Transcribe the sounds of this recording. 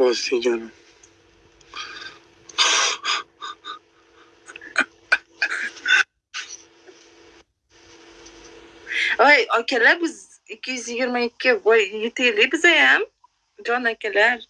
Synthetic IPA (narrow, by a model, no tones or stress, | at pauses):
ɒseɡʲana | ajɒkʲalabɪz | ɪkʲːɪjyzjɪɡʲɪɾmaɪkʲʰːɪvɒɾjet̪ʰejlɪbɪzajam | d͡ʒɒnakʲalaɾ